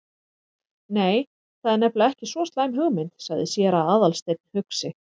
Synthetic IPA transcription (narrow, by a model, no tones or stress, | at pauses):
neːj | θaðɛɾnɛplaɛhcɪsvɔːst̪laːjmɦʏɣmɪnt̪saɣðɪsjɛːɾaðaːðalst̪ejt̪̚n̥hʏksɪ